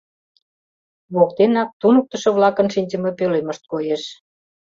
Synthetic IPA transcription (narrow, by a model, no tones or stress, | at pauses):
βok̚t̪enɑk̚t̪unək̚t̪ə̆ʃɤ̆βlɑkə̆nʃinʲd͡ʑə̆mepøleməʃt̪̚kojeʃ